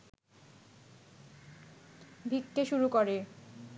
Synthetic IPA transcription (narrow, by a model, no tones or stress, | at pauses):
bʱikːeʃuɾukoɾe